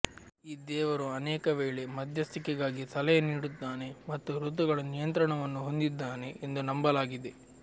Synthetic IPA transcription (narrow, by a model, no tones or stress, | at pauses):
iːd̪ɛːʋɐɾuɐnɛːkɐʋeːɭe̞mɐd̪ʱjɐst̪ikɛɡaːɡisɐlɛjɐniːɽut̪ːaːne̞mɐt̪ːuɾut̪̬uɡɐɭɐnijɐnt̪ɾɐɳɐʋɐnːuɦo̞nd̪id̪ːaːne̞ːnd̪unɐmbɐlaːɡid̪e̞